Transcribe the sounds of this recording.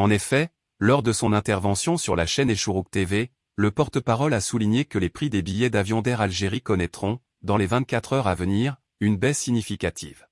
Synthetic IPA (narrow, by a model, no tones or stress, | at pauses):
ɑ̃nefɛ | lɔʁd̪əsɔ̃nɛ̃t̪ɛʁvɑ̃sjɔ̃sjyʁlaʃɛneʃuʁuk̚t̪eve | ləpɔʁt̪əpaʁɔlasuliɲekəlepχid̪ebijɛd̪avjɔ̃d̪ɛʁalʒeʁikɔnɛt̪χɔ̃ | d̪ɑ̃levɛ̃t̪̚kʲat̪χœʁavəniʁ | ynbɛsːiɲifikʲat̪ʰḭv